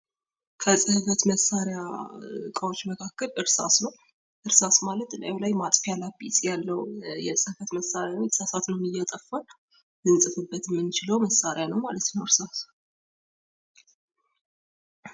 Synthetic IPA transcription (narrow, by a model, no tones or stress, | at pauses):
kʰəsʼɨhɨfət̪məsːaɾjakʼəwot͡ʃːməkʰakːəlʔɨɾsa̰snəw | ʔɨɾsasmalət̪la̰lajmat̪ʼfjalabisʼjalːəwjɛsʼɨhɨfət̪məsːaɾjawot͡ʃːsasat̪nəwnɨjːɛt̪ʼəfːən | dɨnsʼɨfɨbːət̪ʰmːɨnt͡ʃɪləwməsːaɾjanəwmalət̪nəwɨɾsas